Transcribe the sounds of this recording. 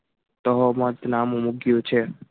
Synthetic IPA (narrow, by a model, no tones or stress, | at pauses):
t̪əɦɔmət̪namũmuɡjõt͡ʃʰe